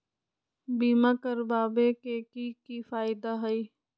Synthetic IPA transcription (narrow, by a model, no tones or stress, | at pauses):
biːmakəɾbaːbekeːkiːkifaːɪd̪aɦɐiː